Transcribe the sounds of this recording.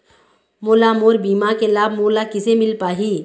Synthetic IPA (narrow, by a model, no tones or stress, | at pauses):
moːlamoːɾbiːmakelaːb̚moːlakɪsemɪlpaːɦi